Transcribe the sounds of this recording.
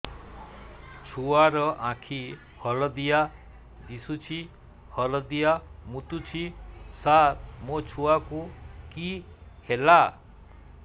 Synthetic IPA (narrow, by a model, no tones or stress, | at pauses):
t͡ʃʰuaɾʌʔãkʰi | hʌlɔd̪ija | d̪isut͡ʃʰi | hʌlɔd̪ijamut̪ut͡ʃʰisat̪̚mot͡ʃʰuakuki | hela